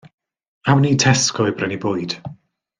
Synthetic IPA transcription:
awniːtʰɛskʰɔɨbrɛnibʊːɨd̥

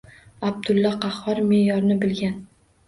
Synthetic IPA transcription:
ab̚d̪ʊlˠːɒqɑhɒɾmejɒɾnɪbɪlɡʲan

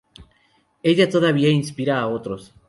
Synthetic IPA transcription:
eʝat̪oðaβiainspiɾaːot̪ɾo̞s

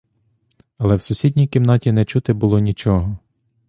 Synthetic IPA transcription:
ɐlˠɛwsʊsʲidʲnʲijkɪmnɑtʲinɛt͡ʃut̪ɪbʊlˠɔnʲit͡ʃɔɦɔ

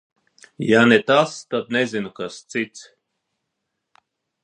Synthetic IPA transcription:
janet̪ast̪ad̪̚nezinukast̪sit̪s

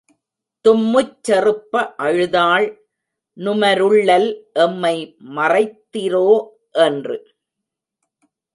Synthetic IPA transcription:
t̪ʊmːɯt͡ʃːɐrɯpːɐʔɐɻɯðaːɭ | nʊmɐɾɯɭːɐlʔɛmːɐɪmɐrɐɪt̪ːɪɾoː | ʔɛndrɯ

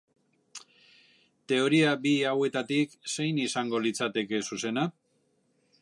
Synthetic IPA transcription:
t̪e̞o̞ɾiabiawe̞t̪at̪ikse̞jnisaŋɡo̞lit͡sat̪e̞ke̞suse̞na

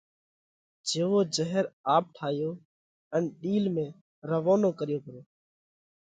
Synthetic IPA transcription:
d͡ʒeːʋoːd͡ʒəɦəɾaːp̚ʈʰaːɦɪjoː | ənɗiːlmẽː | ɾəʋoːnoːkəɾɪjoːpəɾoː

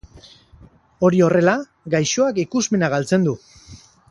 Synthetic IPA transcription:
o̞ɾio̞re̞la | ɡajʃo̞akikuzme̞naɣalt͡se̞nd̪u

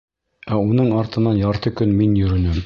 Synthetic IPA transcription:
æunɤɴɑɾt̪ɤ̆nɑjɑɾt̪ɤkɵnminjɵ̆ɾɵ̆nɘm

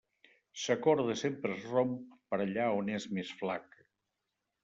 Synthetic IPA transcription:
səkɔɾðəsempɾəzromp̚pəɾəʎaonezmesflak

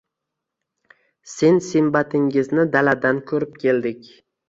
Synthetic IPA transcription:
se̞nsɪmbat̪ʰɪŋɪznɪd̪alad̪ankʰɵɾɪp̚kʲʰe̞ld̪ɪkʲ

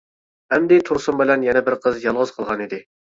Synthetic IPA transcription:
hɛmd̪ɪt̪ʰuɾsʊmbɪlɛnjɛnɛbɪɾqʰəzjɑlˠʁʊz̥qʰəlˠʁɑnid̪ɪ

